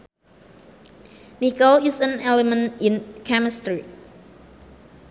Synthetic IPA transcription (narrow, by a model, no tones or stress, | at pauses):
nikɔlisə̃nɛlɛmə̃nĩnkʰæmɪstɹi